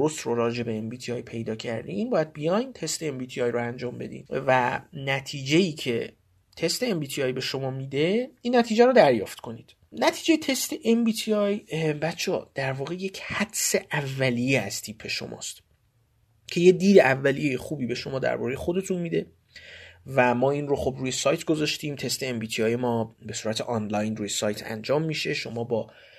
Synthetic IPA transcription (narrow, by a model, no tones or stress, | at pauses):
oɾost̪ɾoɾɒːd͡ʒe̞be̞embiːt̪ʰiɒːjpʰe̞jd̪ɒːcʰæɾd̪ḭiːnbɒːjæd̪̚bijɒjnt̪ʰe̞st̪e̞embiːt̪ʰiɒjɾoænd͡ʒɒːmbe̞̰d̪ḭnvænæt̪ʰiːd͡ʒe̞iːcʰe̞ | t̪ʰe̞st̪e̞ːmbiːt̪ʰiɒːjbe̞ʃo̞mɒːmiːd̪e̞iːnːæt̪ʰiːd͡ʒæɾod̪æɾjɒ̰ːft̪kʰo̞niːd̪̥ | næt̪ʰiːd͡ʒe̞jet̪ʰe̞st̪eʔembiːt̪ʰiɒjbæt̪t͡ʃʰɒːd̪̥æɾvɒːɣe̞je̞cʰhæd̪se̞ʔævːælijeæzt̪ʰiːpʰːe̞ʃo̞̰mɒ̰ːst̪ | cʰe̞je̞d̪iːd̪eævːælijejexuːbiːbe̞ʃo̞mɒːd̪æ̰ɾbɒ̰ːɾejexo̞d̪e̞t̪ʰunmiːd̪e̞ | væmɒːiːnroxobɾuːje̞sɒːjt̪ʰɡozɒːʃt̪iːmt̪ʰe̞st̪e̞embiːt̪ʰiɒːjemɒːbe̞suːɾæt̪ʰeʔɒːnlɒjnrɾujesɒːjt̪ʰæ̰nd͡ʒɒːmːiʃe̞ʃo̞mɒːbɒː